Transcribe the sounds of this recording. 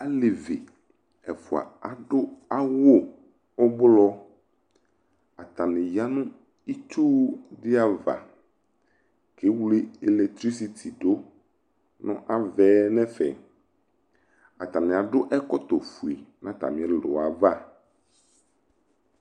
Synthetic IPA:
a˦le˨vi˨ | ɛ˨fu˨a̰˨a˨ɖo˦a˦wo˦ | ɔ˦blɔ˦ | a˨t̪a˨nẽ˨ja˦nũ˦ | i˦t͡ʃo˦wɖi˦a˦va̰˨ | ke˦wle˦e˨le˨k̚t̪ɾi˦s̬i˨t̪ʰi˨ɖo˦ | nɔ̰̃˦ʔa˦vɛ˦nɛ̃˦fɛ̰˨ | a˨t̪a˨nɛ̃˨a˨ɖo˦ʔɛ˦kɔ˦t̪o˨fu˨i˨nã˦t̪a̰˨mĩ˨ɛ˦lo̰˨a˨va˦˨

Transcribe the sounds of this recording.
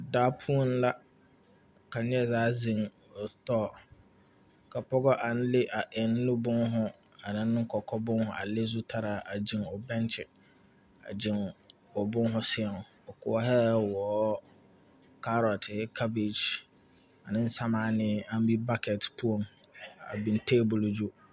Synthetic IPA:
daː˦pʰu˦o˦n˦la˦ | ka˨ɲ˦ɛ˦˨zaː˦zĩ˨ŋ | ɔ˨tɔː˦˨ | kʰa˨pɔ˦ɡɔ˦ʔa˨n˦le˦ʔa˨ʔɪ˨n˦nʊ̃˦bʊ̃˦nɦʊ̃˦ | a˨nɪ̃˦nː˦ʊ̃˦kʰɔ˨kʰɔ˦bʊ̃˦nhʊ̃˨a̰˨le˦zu˦tʰa˦ɾa˨ʔa˨d͡ʑĩ˨nɔ˨bɛ̃˦nt͡ʃʰɪ˨ | a̰˨d͡ʑɪ̃˨n | ɔ˨bʊ̃˦nɦʊ̃˦sɪ˦ɛ˨n˨ | ɔ˨kʰʊ˨ɔ˦ɦɛ˦wɔː˨˦ | kʰa˦ɾɔ˨tʰɛ˦kʰa˦bi˨d͡ʒ | a˨nɪ̃˦n̩˦sã˦mãː˨˦nɪ̃˦ã˦m˦bi˦ba˦kʰɛ˨tpʰu˦õ˨ma̰˨bĩ˨n˦tʰeː˦bʊ˨ld͡ʒu˦

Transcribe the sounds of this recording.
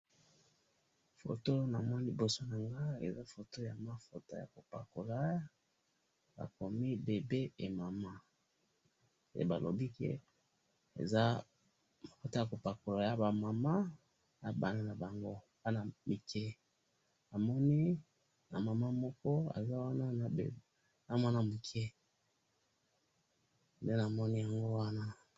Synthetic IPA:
fo̰˨to˦na˨mɔ˦n˦li˨bo˨so˦na˨ŋɡa˦ḛ˨za˦fo˨to˦ja˨ma˨fo˨to˦ja̰˨ko˨pa̰˨ko˨la˦ | ba̰˨ko˨mi˦be˨be˦e˨ma˨ma˦˨ | ḛ˨ba˨lo̰˨bi˦kḛ˨ | ḛ˨za˦ | ma˨ko˦ta˦a˨ko˨pa˨ko˨la˨ja˦ba˨ma˨ma˦ | a˨ba̰˨na˦na˨ba˨ŋɡo˦ | pa˦na˨mi˨kʰɛ˦ | a˨mɔ˦ni˦ | na˨ma˨ma˦mɔ˦kɔ˦a̰˨za˦wa˦na˦n̰˨ | na˨m˦a˦na˨mi˨kʰɛ˦ | nde˦na˨mɔ˦ni˦ja˨ŋɡo˦wa˦na˦

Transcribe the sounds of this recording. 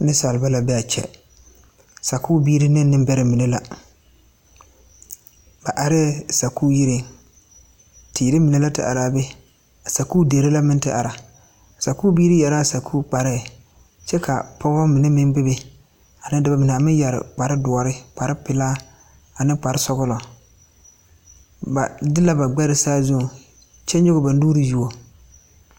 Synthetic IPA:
nɪ˦sa˨lba˦la˨bɛ˦a˨t͡ʃɛ̰˨ | sa˨kuː˦biː˦ɾɪ˦nɪ˦nːɪ˦mbɛ˦ɾɪ˨mi˨ne˦la˨ | ba˨ʔa˨ɾɛ˦sa˨kuː˦ji˦ɾe˦ | tʰiː˨ɾɪ˦mi˨ne˦la˦tɪ̰˨ʔa̰˨ɾaː˦˨be˦ | a˨sa˨kuː˦deː˨ɾɪ˦la˦mɪ˦ntɪ̰˦ʔa̰˨ɾa˨ | sa˨kuː˦biː˦ɾɪ˦jɛ˨ɾaː˦sa˨kʰuː˦k͡pa˨ɾɪ˦˨ | t͡ʃɛ˦ka̰˨pɔ˦bɔ˦mɪ˨nɛ˦mɪ˦nbɪ˦bɪ˨ | a˨nɪ˦dɪ˨ba˨mɪ˨n˨a˨mɪ˦jɛ˨ɾɪ̰˨k͡pa˨ɾɪ˦dʊ˨ɔ˨ɾɪ˦k͡pa˨ɾɪ˦pɪ˨laː˦ | a˨nɪ˦k͡pa˨ɾɪ˦sɔ˦ɣʊ˦lɔ˨ | ba̰˨dɪ˦la˦ba˨ɡ͡bɛ˦ɾɪ˦saː˦zʊ˦˨ | t͡ʃɛ˦ɲ˦ʊ˦ɣʊ˦ba˨nduː˦ɾɪ˦ju˦o˨

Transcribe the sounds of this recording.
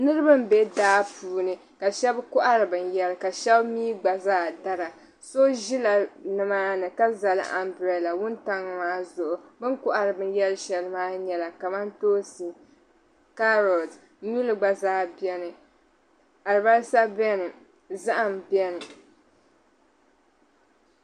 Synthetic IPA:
nɨ˦ɾɨ˦bɨ˦m̩˦be˦daː˦puː˨˦nɨ˨ka˨ʃɛ˦bkʊ˦ʔa˦ɾɨ˨bɨ˨njɛ˦lɨ˦ka˨ʃɛ˦bmiː˦ɡ͡ba˨zaː˦da˦ɾa˨ | so˦ʒi˦la˨nɨ˨maː˦nɨ˨ka˦za˨lɨ̰˦ʔa̰˨mbɾɛ˨la˨wʊ˦nta˦ŋ˨maː˦zʊ˨ʔʊ˨bɨ˦ŋkʊ˦ʔa˨ɾɨ˨bɨ˨njɛ˦lʃɛ˨lɨ˦maː˦ɲɛ˨la˨ka˨ma˦ntoː˦sɨ˨ | ka˦ɾɔ˨ld | ni˦lɨ˨ɡ͡ba˨zaː˦bɛ˦nɨ˨ | a˨ɾɨ˨ba˦ɾsa˦bɛ˦nɨ˨ | za˦ʔa˨m˨bjɛ˦nɨ˨

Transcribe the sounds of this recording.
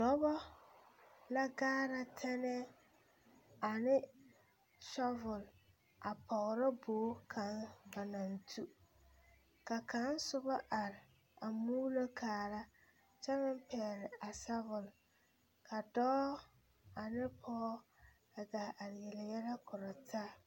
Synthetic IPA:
dɔ˦bɔ˦ | la˦ɡaː˦ɾa˦tʰɛ˦nɛ˦ | a˨nɪ˦ | ʃɔ˦vʊ˨l | a˨pʰɔ˨ɣɾɪ˦boː˨˦kʰa˨˦nba˨na˨n˨tʰu˦ | ka˨kʰa˨˦n˦sʊ˦ba˦ʔa˨ɾɪ˨ | a˨mu˦lo˦kʰaː˨ɾa˦ | t͡ʃɛ˦mɪ˦m˦pɛː˨ɾɪ˨a˨sa˦vʊ˨l | kʰa˨dɔː˦ | a˨nɪ˦pʰɔ˦ | a˨ɡa˨ʔa˨ɾɪ˨jɛ˨lɪ˨jɛ˦lɛ˦kʰʊ˨ɾɔ˨tʰaː˦

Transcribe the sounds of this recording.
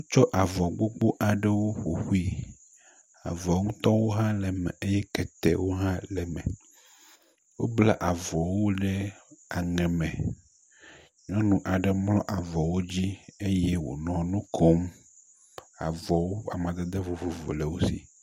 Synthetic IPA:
ũ˦t͡ʃɔ˦ʔa˨vɔ˨ɡ͡bo˦ɡ͡bo˦ʔa˨ɖɛ˦wo˦ɸo˨xu˦i˦ | a̰˨vɔ˨˦ŋũ˦t̪ɔ̃˦wo˦ɦã˦lɛ˨mɛ̰̃˨ʔe˦jɛ˦kɛ˨t̪ɛ̰˨wo˦ɦã˦lɛ˨mɛ̰̃˨ | wo˦bla˦ʔa˨vɔ˨wo˦ɖɛ˦a˨ŋɛ̃˨mɛ̃˨ | ɲɔ̃˦nũ˨ʔa˨ɖɛ˨mlɔ̃˦ʔa˨vɔ˨wo˦d͡ʑi˦e˦je˦wo̰˨nɔ̃˨nũ˦kʰo˦m | a̰˨vɔ˨wo˦a̰˨mã˨d̪e˦d̪e˦vo˨vo˨vo̰˨lɛ˨wo˦sḭ˨

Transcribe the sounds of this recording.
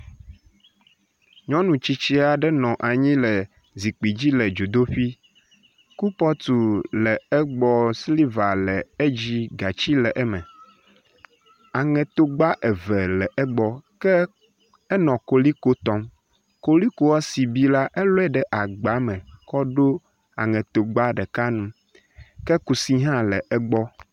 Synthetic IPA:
ɲɔ̃˦nũ˨t͡ɕi˦t͡ɕi˦a˨ɖɛ˦nɔ̃˨ʔa˨ɲĩ˦lɛ˨ | zi˨k͡pi˨d͡ʑi˦lɛ˨d͡ʒo˨d̪o˦ɸi˦ | ku˦pɔ˦t̪u˨lɛ˨ɛ˦ɡ͡bɔ˨sli˦va˨lɛ˨e˦d͡ʑi˦ɡa˨t͡ɕi˦lɛ˨ʔɛ˦mɛ̰̃˨ | a˨ŋɛ̃˨t̪o˦ɡ͡ba˦ʔɛ˨vɛ˨lɛ˨ʔɛ˦ɡ͡bɔ˦kɛ˦ | ɛ˦nɔ̃˨ko˨li˦ko˦t̪ɔ˦m | ko˦li˦ko˦wɔ˦si˨bi˦la˦ʔe˦lo˦ɛ˦˨ɖɛ˨ʔa˨ɡ͡ba˨˦mɛ̃˨kɔ˦ɖo˦ | a̰˨ŋɛ̃˨t̪o˨ɡ͡ba˦ɖɛ˨ka˦nũ˦ | kɛ˦ku˨si˦ɦã˦lɛ˨ʔɛ˦ɡ͡bɔ˦

